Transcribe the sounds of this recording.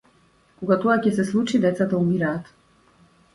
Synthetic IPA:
koɡat̪oacɛsɛslˠut͡ʃid̪ɛt̪sat̪aumiɾaːt̪

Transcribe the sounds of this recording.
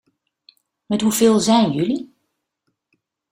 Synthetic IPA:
mɛtɦuvɪːlˠzɛjnjøli

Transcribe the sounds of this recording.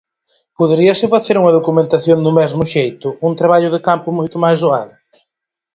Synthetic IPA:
pʊðeɾiɐsɪfaθeɾuŋɐðokumẽnt̪aθjõŋd̪ʊmɛzmʊʃejt̪ʊunt̪ɾaβaʎʊðɪkampʊmojt̪ʊmajzðoað

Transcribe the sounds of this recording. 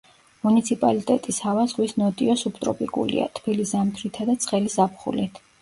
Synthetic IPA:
munit̪sʰipʼalit̪ʼɛt̪ʼishavazʁwisnɔt̪ʼiɔsupʰt̪ʼɾɔ̰pʼikʼṵlḭa̰t̪ʰbilisamt̪ʰɾit̪ʰad̪at̪sʰχɛlizapχṵlit̪ʰ

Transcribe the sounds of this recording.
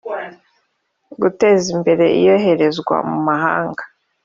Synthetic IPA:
ɡute̞ːzimbe̞ɾe̞ʔḭjo̞ɦe̞ɾe̞zɡwa̰mumaɦaːŋɡa

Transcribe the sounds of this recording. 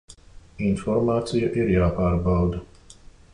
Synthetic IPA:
infɔɾmaːt̪sijuʔiɾjaːpaːɾbawd̪

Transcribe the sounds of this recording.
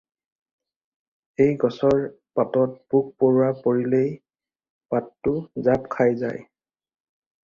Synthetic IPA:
ejɡɔsɔɹ | patɔt̚buk̚poɹʊapoɹilej | patːʊzapkʰajza̰j

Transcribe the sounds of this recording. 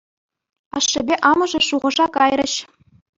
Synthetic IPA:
ɑʂːɘ̆bʲeʔɑmɤ̆ʐɤ̆ʂuʁɤ̆ʐɑkɑjrɘ̆ɕ

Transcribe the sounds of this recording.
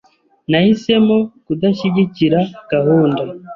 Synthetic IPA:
nahise̞mokudaʃiɟiciɾaɡ̥aɦuːnda

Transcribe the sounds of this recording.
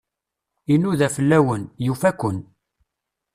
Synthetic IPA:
inuðæfəlːæwənjufækʷːən

